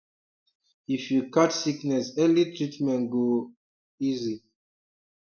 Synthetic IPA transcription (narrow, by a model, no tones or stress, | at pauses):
ifjukatsiknɛsɛlitʰɹitmɛ̃nɡo | izi